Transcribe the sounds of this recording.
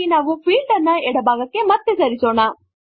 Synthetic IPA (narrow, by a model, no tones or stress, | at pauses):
inaːʋupʰiːlɖɐnːɐɛɽɐbʱaːɡɐkːe̞mɐt̪ːesɐɾiso̞ːɳɐ